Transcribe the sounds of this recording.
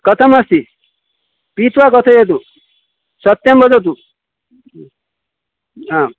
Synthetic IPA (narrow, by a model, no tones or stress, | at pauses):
kʌt̪ʰʌmʌst̪i | pit̪ʰwakʌt̪ʰʌjet̪u | sʌt̪ːʌmbʌd͡zɔt̪̬u | ã